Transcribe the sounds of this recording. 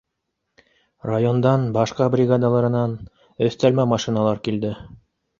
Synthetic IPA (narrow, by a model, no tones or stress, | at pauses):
rajo̞nd̪ɑnbɑʃqɑbrʲiɡad̪alˠɑɾɤ̆nɑn | ɵ̆θt̪ælmæmɑʃinɑlˠɑɾkild̪ɘ